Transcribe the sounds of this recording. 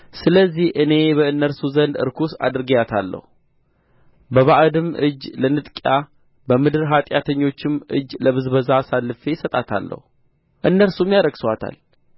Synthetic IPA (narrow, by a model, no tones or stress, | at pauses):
sɨləzːihʔɨne̞bəɨnːəɾsuzənd̪ɨ̰ɾkʰusa̰d̪ɨɾɡəɲat̪ʰalːə̰hu | bəβaʔd̪ɨmʔɨ̰d͡ʒlənɨt̪ʼkʼja | bəmɨd̪ɨɾɦat̪ʼjat̪ʰəɲːo̞t͡ʃːɪmʔɨ̰d͡ʒːləβɨzbəzasalːɨfe̞jɪsət̪ʼat̪ʰa̰lːə̰hu | ʔɨnːəlsumjaɾəɡsəwat̪ʰa̰l